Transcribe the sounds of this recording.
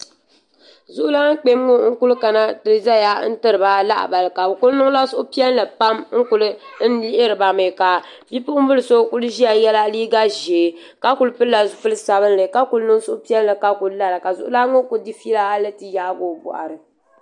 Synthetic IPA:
zʊ˦ʔʊ˦la˦ŋ̩˦k͡pe˦m˦ŋo˦ŋ̩˦ku˦lka˨na˦tɨ˨ɾɨ˨za˦ja˦n̩˦tɨ˦ɾɨ˨ba˦la̰˦ʔba˨lɨ˨ka˨bkʊ˦nʊ˦ŋ˦la˦sʊ˦ʔʊ˦pi˦ɛ˦n˦lɨ˨pa˦mŋ̩˦kʊ˨lɨ˦n̩˦li˦ʔɪ˦ɾɨ˨ba˨mɨ˨ka˨ | bi˦pʊ˦ʔʊ˦bɨ˦lɨ˨so˦ku˦lʒi˦ja˨jɛ˦la˦liː˦ɡa˦ʒeː˨ | ka˦ku˨lɨ˦pɨ˦lla˨zʊ˨˦fɨ˦lɨ˦sa˨βɨ˦n˦lɨ˨ka˦ku˨lnɨ˦ŋ˦sʊ˦ʔʊ˦pi˦ɛ˦n˦lɨ˨ka˦ku˨lla˦ɾɨ˨ka˨zʊ̰˨ʔʊ˦la˦ŋʊ˦ku˨di˦fi˦la˦a˦lɨ˦tɨ˨jaː˦bo˨bɔ̰˨ʔa̰˨ɾɨ˨

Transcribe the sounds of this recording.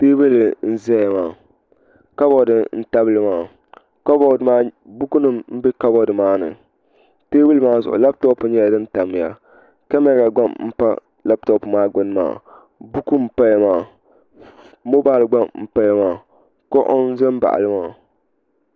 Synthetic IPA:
peː˦bɨ˦lɨ˨n̩˦zɛ˦ja˨maː˨ | ka˦bɔ˨dɨ˨n̩˦ta˦bɨ˦lɨ˦maː˦˨ | ka˦bɔ˦ɨ˨maː˦ | bu˦ku˦nɨ˦mm̩˦bɪ˦ka˦bɔ˦dɨ˨maː˦nɨ̰˨ | teː˦bɨ˦lɨ˦maː˦zʊ̰˨ʔʊ̰˨la˦b̚tɔ˦pʊ˨ɲɛ˦ja˨dɨ˦n˦ta˨m˨ja̰˨ | ka˦mɛ˦ɾa˨ɡ͡ba˦mm̩˦pa̰˦ | la˦b̚tɔ˦pɨ˨maː˦ɡ͡bʊ˦n˦ma̰ː˦˨ | bu˦ku˦m̩˨pa˦ja˨˦maː˦˨ | mo˦baː˦˨lɨ˨ɡ͡ba˦mm̩˨pa˦ja˦maː˦˨ | kɔ˦ʔɔ˦n˦zɛ˦m˦ba̰˨ʔa̰˨lɨ˦maː˦˨

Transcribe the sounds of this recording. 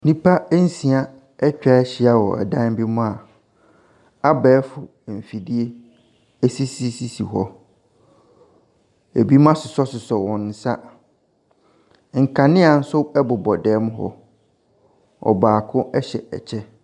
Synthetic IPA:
nĩ˦pʰa˦n̩˦sĩ˨a˦ | ɛ˦t͡ɕᶣa˨˦ɛ˦ɕɪ˨a˦wɔ˨ɛ̰˨dã˦n˦bi˦mʊ̃˦a˨ | a˦bɛː˦fʊ˨ | m̩˨fi˨di˦e˦ | e˦si˦si˦si˦sḭ˨ɦɔ˦ | e˨bi˦mã˦sʊ˨sɔ˦sʊ˨sɔ˨wɔ̃˨nn̩˨sa˦ | ŋ̩˨kʰã˨nɪ̃˦a˨n̩˦sʊ˦ɛ˦bʊ˨bɔ˨dɛː˨˦mʊ̃˦ɦɔ̰˦ | ɔ̰˨baː˨kʰʊ̃˦ɛ˦ɕɛ̰˨ɛ̰˨t͡ɕʰɛ˦

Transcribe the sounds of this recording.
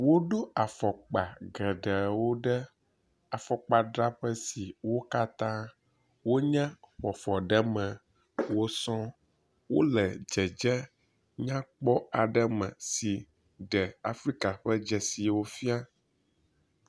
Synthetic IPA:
wo˦ɖo˦a˨fɔ˨k͡pa˨ɡɛ˨ɖɛ˨wo˦ɖɛ˦ | a˨fɔ˨k͡pa˨ɖɾa˦ɸɛ˦si˨wo˦ka˦t̪ã˦ | wo˦ɲɛ̃˦ɸɔ˨fɔ˨ɖɛ˦mɛ̃˨ | wo˦sɔ̃˦ | wo̰˦lɛ˨d͡ʒɛ˨d͡ʒɛ˦ | ɲã˦k͡pɔ˦a˨ɖɛ˦mɛ̰̃˨si˨ | ɖɛ˨a˨fɾi˦ka˨ɸɛ˦d͡ʒɛ˨si˨wo˦fi˦a˦

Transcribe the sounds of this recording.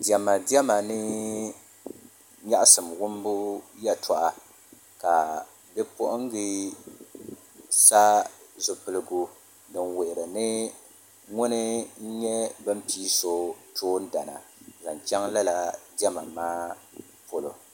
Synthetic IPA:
di˨a˨ma˨di˦ɛ˦ma˨nɨ˦ | ɲa˦ʔa˦sɨ˨mwʊ˦m˦bʊ˦ja˦tʰɔ˨ʔa˨ | ka˨ | bɛ˦pʊ˦ʔʊ˦ŋ˦ɡɨ˦ | sa˦zʊ˨pɨ˨lɨ˦ɡu˦ | dɨ˨nwe˨ʔɪ˨ɾɨ˨nɨ˦ | ŋʊ˦nɨ˦n̩˦ɲɛ˦bɨ˦m̩˦piː˦so˦tʰoː˦n̩˦da˨na̰˨za˨nt͡ʃɛ˦ŋla˦la˨di˦a˦ma˨maː˦ | po˦lo̰˨

